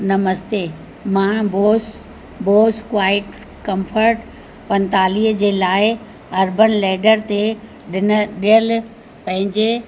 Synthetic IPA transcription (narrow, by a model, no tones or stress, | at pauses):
nɐməst̪e | mãboːs | boːskwaːɪʈ | kɐ̃mfəɾʈ | pɐ̃nt̪aːliɦd͡ʑeːlaːɪ | ɐɾbənlɛːɖəɾt̪e | ɗɪnəɗijəl | pɐ̃ɦɪ̃ɲd͡ʑe